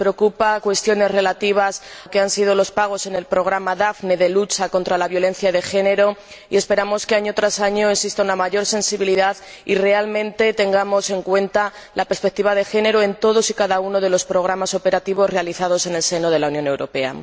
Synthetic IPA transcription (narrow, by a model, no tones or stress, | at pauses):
pɾeokupakwe̞st̪jo̞ne̞zre̞lat̪iβ̞aske̞ansiðo̞lo̞spaɣ̞o̞se̞ne̞lpɾo̞ɣ̞ɾamaðafne̞ðe̞lut͡ʃako̞nt̪ɾalaβjo̞le̞n̟θjaðe̞xe̞ne̞ɾo̞ | ḭe̞spe̞ɾamo̞ske̞aɲo̞t̪ɾasaɲo̞eksist̪aunamaʝo̞ɾse̞nsiβ̞iliðað | ire̞almẽ̞nt̪e̞t̪e̞ŋɡamo̞se̞ŋkwe̞nt̪a | lapeɾspe̞k̚t̪iβaðe̞xe̞ne̞ɾoe̞nt̪o̞ð̞o̞sikaðauno̞ðe̞lo̞spɾo̞ɣ̞ɾamaso̞pe̞ɾat̪iβo̞zre̞aliθaðo̞se̞ne̞lse̞no̞ð̞e̞launjõ̞ne̞wɾo̞pe̞a̰